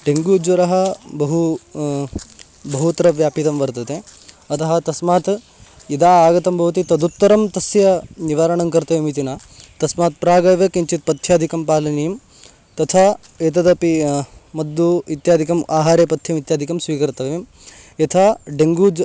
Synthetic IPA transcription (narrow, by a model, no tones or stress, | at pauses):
ɖeŋɡuːd͡ʒʋɐɾɐɦɐbɐɦu | bɐɦut̪ɐɾɐʋjaːpit̪ɐmʋɐɾt̪ɐt̪e | ɐt̪ʰɐɦɐt̪ɐsmaːt̪ | id̪aːaːɡɐt̪ɐmbʱɐʋɐt̪it̪ɐd̪ut̪ːɐɾɐmt̪ɐsjɐniʋaːɾɐɳɐŋkɐɾt̪ɐʋimit̪inaː | t̪ɐsmaːt̪̚pɾaːɡɐjʋɐkiɲt͡ʃit̪̚pɐt̪ʰːjaːd̪ʱikɐmpaːlɐnijɐm | t̪ɐt̪ʰaː | eːt̪̬ɐd̪ɐpimɐd̪ːuit̪jaːd̪ʱikɐmʔaːɦaːɾeːpɐt̪ʰjɐmit̪jaːd̪ʱikɐmsʋiːkɐɾt̪ɐʋem | jɐt̪ʰaːɖeŋɡuːd͡ʒ